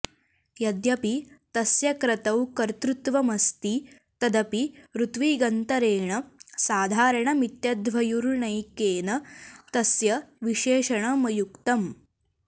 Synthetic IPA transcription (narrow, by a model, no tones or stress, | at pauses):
jɐd̪jɐpit̪ɐsjɐkɾɐt̪ɐwkɐɾt̪ɾut̪ʋɐmɐst̪i | t̪ɐd̪ɐpiɾut̪ʋiːɡɐnt̪ɐɾeːɳɐsaːd̪ʱaːɾɐɳɐmit̪jɐd̪ʋɐjuɾɳɐjkeːnɐt̪ɐsjɐʋiʃeːʂɐɳɐmɐjukt̪ɐm